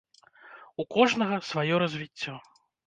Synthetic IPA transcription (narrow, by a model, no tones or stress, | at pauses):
ukɔʐnɐɣɐsvajɔɾɐzʲvʲit͡sʲːɔ